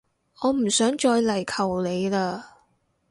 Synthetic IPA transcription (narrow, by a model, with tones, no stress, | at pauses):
ɔː˨˧m̩˨˩sœː˨˥ŋt͡ʃɔː˧jlɐ˨˩jkʰɐ˨˩wle˨˧jlaː˧